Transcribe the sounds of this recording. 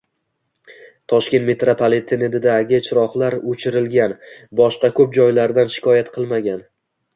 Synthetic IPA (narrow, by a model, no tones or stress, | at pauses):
t̪ʰɒʃkʲe̞nt̪me̞t̪ɾapʰalˠet̪ʰːened̪ɪd̪aɡʲɪt͡ʃʰɪɾɒχlaɾot͡ʃʰɪɾɪlɡʲanbɒʃqɑkʲʰɵp̚d͡ʒɒjlaɾd̪anʃɪ̥kʰɒjat̪qʰɨlˠmaɡʲan